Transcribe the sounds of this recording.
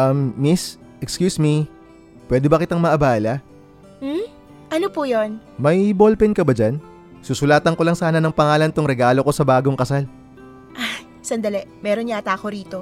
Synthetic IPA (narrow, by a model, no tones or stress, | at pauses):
ʔɐmːis | ʔɛkskjuːsmi | pwɛːd̪ɛbɐkɪt̪aŋmɐʔɐbaːlɐ | m̩ | ʔɐnopujonmɐjbolpɛnkɐbɐd͡ʒan | susʊlaːt̪ɐŋko̞lɐŋsaːnɐnɐŋpɐŋaːlɐnt̪oŋɾɛɡaːlo̞ko̞sɐbaːɡo̞ŋkɐsal | ʔa | sɐnd̪ɐlɛmɛːɾonɲat̪aːkoɾiːt̪o